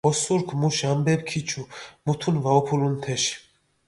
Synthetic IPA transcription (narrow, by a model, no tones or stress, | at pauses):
ɔsuɾkʰmuʃambɛp̚kʰit͡ʃʰumut̪ʰunvaɔpʰulunt̪ʰɛʃ